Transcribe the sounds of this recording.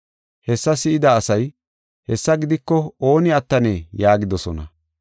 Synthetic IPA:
hɛsːɐsɪɪd̪ɐːsɐj | hɛsːɐɡɪd̪ɪkːɔo̞ːnɪɐt̪ːɐneːjaːɡɪd̪ɔsɔnɐ̰

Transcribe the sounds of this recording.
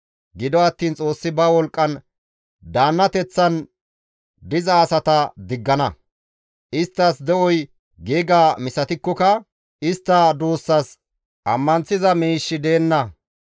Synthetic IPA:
ɡɪd̪ɔɐt̪ːiːnt͡sʼo̞ːsːɪbɐwɔlkʼːɐn | d̪aːnːɐt̪ɛt͡sːɐn | d̪ɪzɐːsɐt̪ɐd̪ɪɡːɐnɐ | ʔɪst̪ːɐsd̪ɛʔɔj | ɡeːɡaːmɪsɐt̪ɪkːɔkɐ | ɪst̪ːɐd̪oːsːɐs | ʔɐmːɐnt͡sːɪzɐmiːʃːɪd̪e̞ːnːɐ

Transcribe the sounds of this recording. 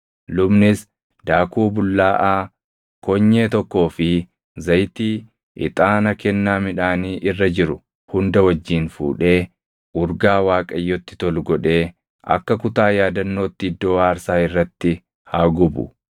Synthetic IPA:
lʊbnɪs | d̪aːkuːbʊlːaːʔaː | kɔɲːe̞ːt̪ɔkːo̞ːfɪ | zɐjt̪iː | ʔɪ̰t̪ʼaːnɐkɛnːaːmɪᶑaːniːʔɪrːɐd͡ʒɪɾʊ | hʊnd̪ɐwɐd͡ʒːiːnfṵːᶑe̞ː | ʔʊɾɡaːwaːkʼɐjːɔt̪ːɪ̥t̪ɔlɡɔᶑe̞ː | ʔɐ̰kːɐkʊt̪aːjaːd̪ɐnːo̞ːt̪ːɪɪd̪ːo̞ːaːɾsaːɪrːɐt̪ːɪ | haːɡʊbʊ̰

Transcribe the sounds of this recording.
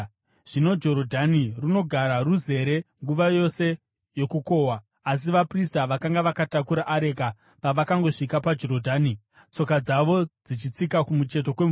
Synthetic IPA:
ʐ̥ino̞d͡ʒo̞ɾodʱaniruno̞ɡʱaɾaruze̞ɾe̞ŋɡuʋajo̞se̞ | jo̞kuko̞ːwaː | s̬iʋapristaʋakaŋɡaʋakatakuɾaʔːɾe̞ka | paʋakaŋɡo̞ʂikapad͡ʒo̞ɾodʱaːni | t͡so̞kad͡zaʋo̞d͡zit͡ʃit͡sikakumut͡ʃe̞t̬o̞kwem

